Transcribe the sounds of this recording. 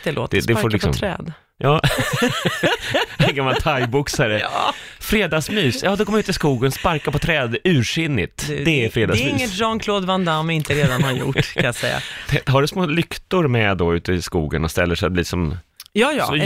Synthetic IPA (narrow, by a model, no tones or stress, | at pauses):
d̪̥ɛlo̰ːt̪d̪ɛd̪ɛfoɾlɪkɔ̰mʰɾɛ̰ːd̪ | jɑː | ɛnɡamːalt̪ʰaj̪bʊksaɾəfɾeːd̪ɑsmyːsjɑːd̪ɛkɔmːəɾʉ̟t̪ɪskuːɡənspaɾkapɔt̪ʰɾɛːd̪ʉ̟ːɾʂʏnːɪ̰t̪d̪ɛːɾfɾeːd̪asmyɪŋːəʒɔnkʰloːd̪vand̪amvɪɪnt̪əɾeːd̪anhaɾjʊ̰ʈːkʰanjasɛ̰jːa̰t̪ʰɛɦaɖɵsmoːlʏkt̪ʊɾmɛd̪ɔʉ̟ːt̪əɪskṵːɡənɔst̪ɛlːəʂɛat̪b̪iːsɔmjɑːjɑ̰ːsɔ